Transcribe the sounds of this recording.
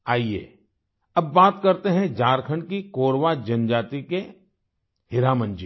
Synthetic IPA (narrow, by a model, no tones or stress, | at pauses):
aːiḛː | ɐbːaːt̪kɐɾt̪eɦɛ̃d͡ʒaːɾkʰə̃ɳɖkikoːɾʋad͡ʒɐnd͡ʒaːt̪ike | ɦɪɾaːmə̃nd͡ʒi